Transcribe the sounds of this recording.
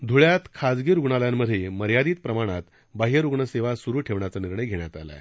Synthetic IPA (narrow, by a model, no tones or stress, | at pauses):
d̪ʱuɭjat̪kʰad͡zɡiɾuɡɳaljamːəd̪ʱjeməɾjad̪iːt̪̚pɾəmaɽ̃at̪ | baɦiəɾuɡɳəseʋasuɾuːʈʰeʋɳjat͡səniɾɳəjɡʱeɳjat̪a̰la̰